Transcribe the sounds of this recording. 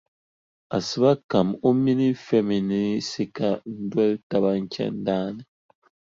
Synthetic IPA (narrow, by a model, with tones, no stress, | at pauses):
a˨sɨ˨ba˦ka˨mo˦mi˦ni˦fɛ˦mi˨ni˦si˦ka˨n̩˦dwɛ˦lta˨ba˦ŋ̩˦kɛ̰˦n̩˦daː˦nɨ˨